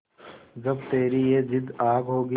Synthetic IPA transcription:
d͡ʒɐbt̪eːɾijed͡ʒɪd̪aːɡɦoːɡə

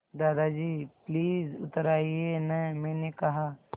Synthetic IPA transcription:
d̪aːd̪ad͡ʒiːpliːzʊ̰t̪ɾaːienɛmɛ̃ːnekɐɦa

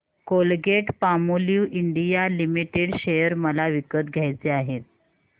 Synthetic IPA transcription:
kolɡeʈpamoljuʔiɳɖijalimiʈeɽɕejəɾməlaʋikət̪̚ɡʱjajt͡seaɦet̪̚

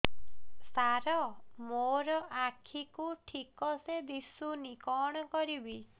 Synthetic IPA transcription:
saɾɔmoɾɔʔakʰikuʈʰikɔsed̪isunikɔɽ̃ɔkɔɾibi

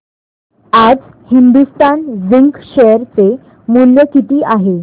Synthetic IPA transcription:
ad͡z | hind̪ust̪anziŋkɕejəɾt͡se | munjəkit̪iːʔaɦe

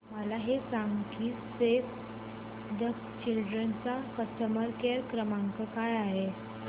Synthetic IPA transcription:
məlaɦesaŋɡkiː | sef | d̪ək | t͡ɕilɖɾənt͡sakəəməɾkeɾkɾəmãŋkəkajaɦe

